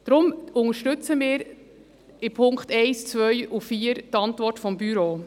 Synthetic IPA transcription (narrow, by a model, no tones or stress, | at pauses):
d̥ɾʊmʊŋəʃtʏt͡səmɪːɾ | ɪpʰʊŋkχtɛɪst͡svœjufiːəɾtɑntvɔrtfɔmbyɾoː